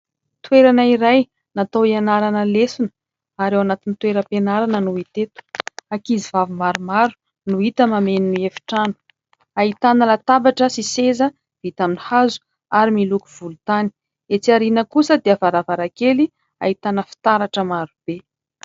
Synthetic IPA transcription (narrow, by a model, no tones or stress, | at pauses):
t̪weɾanəiɾaj | nat̪awianaɾanəlesunə̥ | aɾewanat̪init̪weɾəpenaɾanənuit̪et̪u̥akizivavimaɾumaɾu̥ | nuit̪əmameniniefi̥ʈ͡ʂanu̥ | aɦit̪anəlat̪abaʈ͡ʂəsisezə | v̥it̪aminihazu̥ | aɾimiluku̥vulut̪ani̥ | et͡siaɾinəkusəd̪eavaɾavaɾakeli | a̰it̪anəfi̥t̪aɾaʈ͡ʂəmaɾub̥e